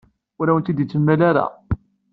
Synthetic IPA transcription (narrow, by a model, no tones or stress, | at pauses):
ʊɾæwənt̪id̪jit͡sːəmːælaɾa̰